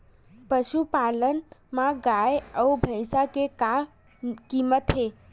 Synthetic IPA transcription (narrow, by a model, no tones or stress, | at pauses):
pəʃupalənmãɡajəubʱə̃ɪsakeka | kimət̪ɦe